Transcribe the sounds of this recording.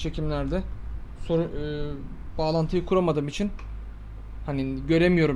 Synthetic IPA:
t͡ʃʰe̞cʰimlʲæɾd̪ɛso̞ɾu | baːlˠant̪ʰɯjɯkʰuɾamad̪ɯːmit͡ʃʰin | haniɟø̞ɾe̞mijo̞ɾum

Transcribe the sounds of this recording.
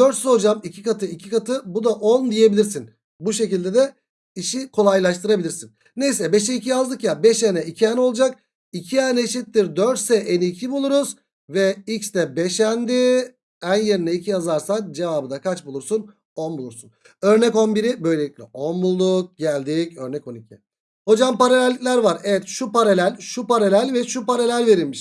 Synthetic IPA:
d̪øɾt̪sɛod͡ʒamicʰikat̪ʰɯicʰikat̪ʰɯbud̪aʔo̞nd̪ije̞bilʲiɾsin | buʃe̞cilʲd̪ed̪ɛ | iʃikʰo̞lˠajlˠaʃt̪ɯɾabilʲiɾsinːe̞jsɛbɛʃɛicʰijazd̪ɯkjabɛʃenɛicʰiɛno̞lˠd͡ʒak̚ | icʰiɛnɛʃit̪ːiɾd̪øɾt̪sɛʔɛnicʰibulˠuɾuz | vɛit͡ʃt̪ʰɛbeʃænd̪i | ænje̞ɾinɛicʰijazˠaɾsad͡ʒe̞vaːbɯd̪akʰat͡ʃbulˠuɾsun | o̞nbulˠuɾsun | ø̞ɾnɛko̞nbiɾibø̞jlʲe̞lʲicʲlʲɛo̞nbulˠd̪uk̚ɟælʲd̪icøɾnɛko̞nicʰi | ho̞d͡ʒampaɾalʲælʲːicʲlʲæɾvaɾevɛt̪ʃupaɾalʲælʲʃupaɾalʲælʲvɛʃupaɾalʲælʲve̞ɾilʲmiʃ

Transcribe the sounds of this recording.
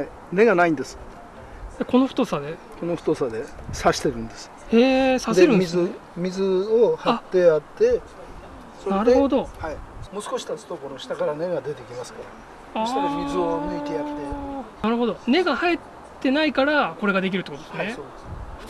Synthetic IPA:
hai | ne̞ɡanaĩnd̪e̞sɨ̥ | jako̞no̞ɸɯ̟t̪o̞sad̪e̞ | ko̞no̞ɸɯ̟̥t̪osad̪e̞saɕi̥t̪e̞ɾɯ̟̃nd̪e̞sɨ̥ | eːsaseɾɯ̟̃nmʲiz | mʲizɨohaat̪ːe̞at̪ːe̞ | soɾneaɾɯ̟ho̞d̪o̞haimoːsɨ̥ko̞ɕi̥t̪at͡sɨ̥t̪o̞koɾoɕi̥t̪akaɾane̞ɡad̪e̞t̪ekʲimasɨ̥kaɾa | at̪aɾamʲizɨomɯit̪ejat̪ːe̞naɾɯɦo̞d̪o̞ne̞ɡahaet̪ː | e̞naikaɾako̞ɾe̞ɡad̪e̞k̬ʲiɾɯ̟t̪ːekot̪od̪snneso

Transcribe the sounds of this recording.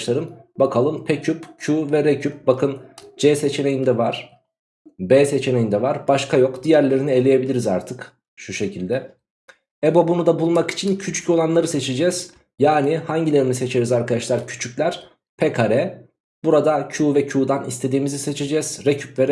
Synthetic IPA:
ʃlˠaɾɯmbakʰalˠɯmpʰecʰypcʰuːvɛɾecʰyp̚bakʰɯnd͡ʒɛːse̞t͡ʃʰene̞jind̪ɛvaɾ̥ | bɛːse̞t͡ʃʰene̞jind̪ɛvaɾbaʃkʰajo̞kd̪ijæɾlʲe̞ɾinie̞lʲeje̞bilʲiɾizaɾt̪ʰɯk | ʃuʃe̞cʰilʲd̪ɛ | ebo̞bunud̪abulˠmaki̥t͡ʃʰincʰyt͡ʃʰy̥co̞lˠanlˠaɾɯse̞t͡ʃʰed͡ʒɛz̥ | jaːnihaɲɟilʲe̞ɾinise̞t͡ʃʰe̞ɾizaɾkad̪aʃlˠaɾcʰy̥t͡ʃʰyclʲæɾ̥ | pʰɛkʰaɾɛ | buɾad̪acʰuːvɛcʰuːd̪anist̪ʰe̞d̪iːmizise̞t͡ʃʰe̞d͡ʒɛz̥ɾecʰypvɛɾ

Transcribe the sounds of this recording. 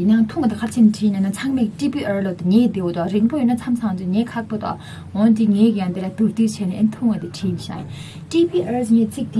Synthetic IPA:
inaŋt̪ʰuŋat̪ikʰat͡ɕʰenʈ͡ʂʰiːnanat͡sʰaŋmekʈ͡ʂipiʔəlot̪ŋeːd̪ewot̪oʔarinpojønat͡sʰamt͡sʰaŋt͡ɕuŋeːkʰak̚pot̪oa̰ | ɦont̪iŋeːkijand̪elat̪urt̪yːt͡ɕʰeːneʔənit̪ʰuŋat̪iʈ͡ʂʰinɕa̰jḭ | ʈ͡ʂipiʔasŋeːt͡sik̚t̪e

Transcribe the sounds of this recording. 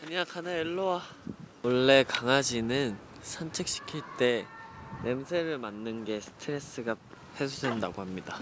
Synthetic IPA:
kɯɲakʰanaeɭːowa | wʌɭːe̞kaŋad͡ʑinɯn | sʰant͡ɕʰek̚ɕ͈i̥kʰiɭt͈e̞nemsʰe̞ɾɯɭmanːɯnɡe̞sʰɯ̥tʰɯɾe̞s͈ɯɡa | he̞sʰosʰendaɡohamɲida

